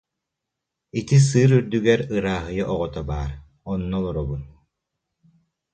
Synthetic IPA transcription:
it̪is̬ɯːɾyɾd̪yɡɛɾɯɾaːɦɯjɯʔɔʁɔt̪abaːɾ | ɔnːɔlˠɔɾɔbun

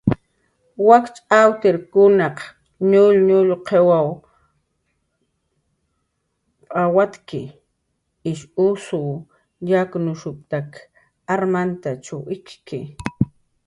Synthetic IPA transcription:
wakt͡ʃʼawt̪eɾkʊnɑq | ɲʊlɲʊʎqʰewaw | awat̪kɪ | ɪʃʊsʊ | jaknʊʃʊp̚t̪ak | aɾmant̪at͡ʃawɪt͡ʃkɪ

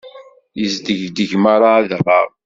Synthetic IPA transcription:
jəzd̪əʝd̪əʝmaɾˤaaðrˤːɑɾˤ

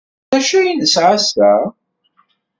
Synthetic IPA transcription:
æʃæjinəsʕast̪æ

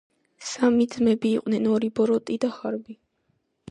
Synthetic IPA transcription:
samid̪zmɛbiːqʼnɛnɔɾibɔɾɔt̪ʼid̪aχaɾbi

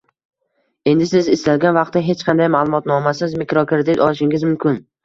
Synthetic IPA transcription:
e̞nd̪ɪsɪzɪslalɡʲanvɑq̚t̪ːaɦe̞t͡ʃqʰɑnd̪ajmaːlˠʊmɒt̪nɒmasɪzmikɾokʰɾɾɪd̪ɪt̪ɒlˠɪʃɪŋʲɪzmʊmkʲʰɪn

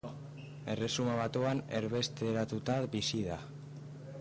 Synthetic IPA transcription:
e̞re̞sumaβat̪uane̞ɾβe̞st̪e̞ɾat̪ut̪abisiða

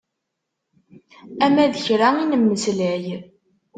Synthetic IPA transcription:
æmæðəçɾainəmːəslæj

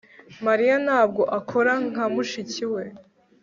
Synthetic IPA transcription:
maɾijanaːb̚ɡo̞ʔakʰo̞ɾaŋ̥amuʃiciwe̞

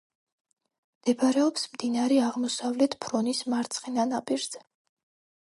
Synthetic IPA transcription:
md̪̥ɛbaɾɛɔpsmd̪inaɾɛaʁmɔsavlɛt̪ʰpʰɾɔnismaɾt̪sʰχinanapʼiɾz̥ɛ

